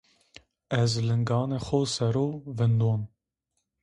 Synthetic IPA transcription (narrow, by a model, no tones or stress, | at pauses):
ɛzlɨŋɡɑːnexosɛɾoːvɨnd̪oːn